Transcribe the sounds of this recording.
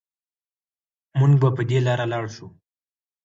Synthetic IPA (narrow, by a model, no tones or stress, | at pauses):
muŋɡbapəd̪elɑɾalɑɽʃu